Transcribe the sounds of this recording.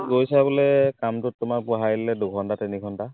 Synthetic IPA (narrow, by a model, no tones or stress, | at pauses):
ɡojsabulɛkamtʊtːʊmakpʊɦajilɛdukʰɔntatɛnikʰɔnta